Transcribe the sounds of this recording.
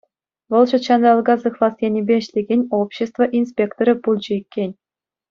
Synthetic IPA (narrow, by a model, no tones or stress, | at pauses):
ʋɤ̆lˠɕŭt̪ɕɑnd̪ɑl̆ˠɡɑzɯχlˠɑst̪ʲjʲenʲibʲeɘ̆ɕlʲeɡʲenʲopɕːĕst̪vɤ̆ʔinspʲekt̪oɾʲɘ̆pulʲˠd͡ʑɘ̆ikʲːenʲ